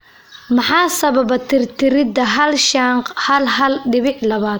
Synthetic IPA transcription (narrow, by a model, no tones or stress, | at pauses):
mɑħɑːsɐβɐbɐt̪ʰɪrt̪ʰɪɾɪd̪ɐɦɐlʃaɴqhɐlɦɐlɖɪβɪħlɐβaːd̪